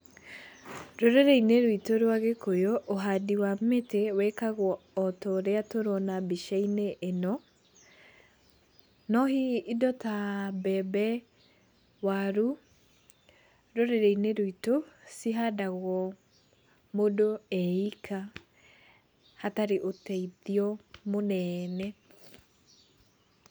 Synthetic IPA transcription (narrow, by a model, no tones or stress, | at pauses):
ɾoɾeɾeineɾwitoɾwaɣekojoʔoɦadiwametewɛkaɣwɔːtɔɾeatoɾɔnabiʃaineʔːnɔ | nɔhiːdɔtabɛbɛ | waɾu | ɾoɾeɾeineɾoitosiɦadaɣwɔ | modoɛikʰa | hataɾeʔotɛiðiɔmonɛnɛ